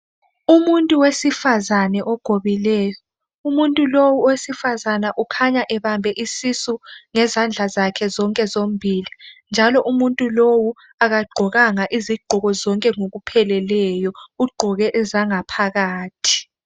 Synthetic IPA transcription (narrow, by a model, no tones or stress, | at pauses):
umuntʼuwesifazanɛʔɔɡ̥ʱoβilɛːjɔ | umuntʼulowuwesifazanaʔukʰaɲaʔɛɓambʱɛʔisisuŋɛzand͡ɮʱazakʰɛzɔŋkʼɛzom̩bʱiːlind͡ʒʱalɔʔumuntʼulowu | aɣaɡ͡ǃʱɔɣaŋaʔiziɡ͡ǃʱɔɣɔzɔŋkʼɛŋoɣupʰɛlɛlɛjɔuɡ͡ǃʱɔɣɛʔɛzaŋapʰaɣaːtʰi̥